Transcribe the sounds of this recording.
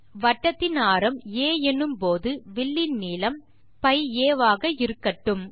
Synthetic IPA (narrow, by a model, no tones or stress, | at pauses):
ʋɐʈːɐt̪ːɪnaːɾɐmeːɛnːɯmpoːðɯʋɪɭːɪnniːlɐm | pɐɪjeːʋaːɣɐɪɾɯkːɐʈːɯm